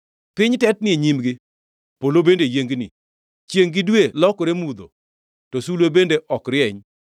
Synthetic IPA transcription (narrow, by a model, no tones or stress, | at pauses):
pɪɲtɛt̚nɪeɲimɡɪ | polobendejeŋɡnɪ̰ | t͡ʃjeŋɡɪdwelɔkoɾemud̪o̰ | tosulwebendeʔɔkɾɪɛɲ